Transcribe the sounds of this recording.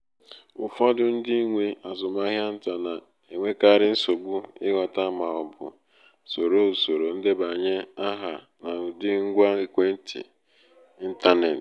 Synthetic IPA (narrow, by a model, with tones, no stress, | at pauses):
ʊ˨fɔ˦dʊ˦n̩˦dɪ˦ŋʷe˦a˨zʊ˨ma˦ɦja˦n̩˦ta˨na˨ | e˨ŋʷe˦ka˦˨ɾɪ˦n̩˦so˨ɡ͡bʊ˦ɪ˦ɣa˨ta˦ma˨ɔ˨bʊ̰˨ | so˨ɾo˦u˨so˨ɾo˨n̩˦de˦ba˨ɲe˦a˦ɦa˨ | na˨ʊ˨dɪ˦ŋ̩˦ɡʷa˦ɪ˦kʷe˦n̩˦tḭ˨ | i˦n̩˦ta˦ne˨t